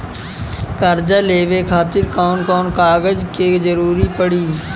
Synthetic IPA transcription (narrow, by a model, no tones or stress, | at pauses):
kəɾd͡ʒaleːʋekʰaːt̪ɪɾkaːnkɔːnkaːɡəd͡ʒked͡ʒəɾuːɾipəɽiː